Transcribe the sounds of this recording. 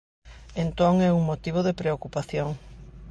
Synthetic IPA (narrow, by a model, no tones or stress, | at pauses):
ẽnt̪oŋɛuŋmot̪iβ̞oðɪpɾeokupaθjoŋ